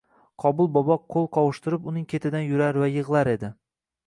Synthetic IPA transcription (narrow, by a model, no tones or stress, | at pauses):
qʰɒbʊlˠbɒbɒqʰːolˠqʰɒwʊʃt̪ɪɾɪpʊnɪŋkʲʰe̞t̪ʰɪd̪anjʊɾaɾvajɨʁlˠaɾe̞d̪ɪ